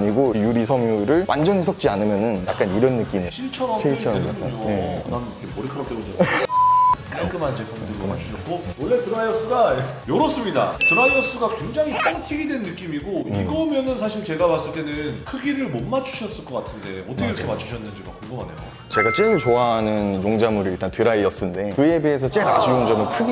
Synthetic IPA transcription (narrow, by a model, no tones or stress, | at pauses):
ɲiɡojuɾisʰʌmjuɾɯɭwʔa̰nd͡ʑʌɲisʰʌk̚t͡ɕ͈ianɯmjʌnɯnjak̚k͈aniɾʌnːɯk͈imiɕʰiɭt͡ɕʰʌɾʌit͡ɕʰʌak͈aoneknamkʰemoɾikʰɯɾʌt͈eɡod͡ʑa | k͈aɭk͈ɯmand͡ʑekʰʌndɯɭɡoma̰t͡ɕʰuɕʰʌt̚k͈owʌɭːe̞tɯɾaiʌs͈ɯɡajʌɾʌs͈ɯmɲida̰tɯɾaiʌs͈ɯɡakwe̞ŋd͡ʑaŋip͈aŋtʰiɡidwe̞nnːɯk͈imiɡoiɡʌmjʌnɯnsʰaɕʰiɭt͡ɕe̞ɡamas͈ɯɭt͈e̞nɯnkʰɯɡiɾɯɭmonmat͡ɕʰu̥ɕʰʌs͈ɯɭk͈ʌk͈atʰɯnde̞ʌtʰʌkeɾʌkʰe̞mat͡ɕʰu̥ɕʰʌnːɯnd͡ʑiɡakoŋɡuma̰ne̞jo̰ | t͡ɕe̞ɡat͡ɕ͈iɡɯɭt͡ɕoaɦanɯnjoŋd͡ʑamuɾiiɭt͈antɯɾaiʌs͈ɯnde̞kɯje̞bies̬ʰʌt͡ɕ͈eɾad͡ʑiund͡ʑʌmɯnkʰɯɡi